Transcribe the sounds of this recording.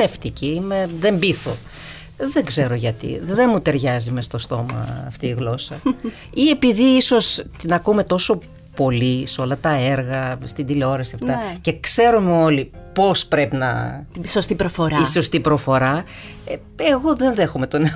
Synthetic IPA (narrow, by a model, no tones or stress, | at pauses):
eft̪iciime̞ðe̞mbiθo̞ | ðe̞ɡze̞ɾo̞ʝɐt̪ḭðe̞mut̪e̞ɾʝɐzime̞st̪ost̪o̞mɐ̰ːft̪iːɣlo̞sɐ | ie̞piðiiso̞st̪inɐkume̞t̪o̞so̞ | po̞liseo̞lɐt̪ɐe̞ɾɣɐst̪ind̪ileo̞ɾɐsiɐft̪ɐce̞kse̞ɾomeo̞lipo̞spɾe̞pinɐ̰sost̪ipɾofoɾaiso̞st̪ipɾo̞fo̞ɾɐ | e̞ɣo̞ðe̞nðe̞xome̞t̪o̞ne